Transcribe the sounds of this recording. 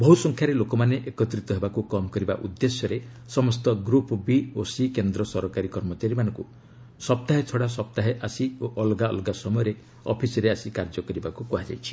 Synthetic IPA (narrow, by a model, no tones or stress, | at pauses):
bɔɦusɔŋkʰjaɾelokɔmaneʔekɔt̪ɾit̪ɔɦebakukɔmɔkɔɾiba̰ʔud̪ːesjɔɾe | sɔmɔst̪ɔɡɾupɔbiosikend̪ɾɔsɔɾɔkaɾikɔɾmɔt͡ʃaɾimanɔ̃ŋku | sɔp̚t̪aɦet͡ʃʰɔɽas̬ɔp̚t̪aɦeʔasioʔɔlɡaɔ̰lɡasɔmɔjɔɾe | ɔ̰pʰisɔɾeasikaɾd͡ʒɔkɔɾibakukuɦad͡ʒa̰jt͡ʃʰi̥